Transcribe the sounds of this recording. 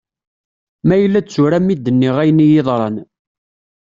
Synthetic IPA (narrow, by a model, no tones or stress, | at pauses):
mæjəlːæt͡sːʊɾæmid̪ːənːiʁæjənijɪðˤɾˤɑn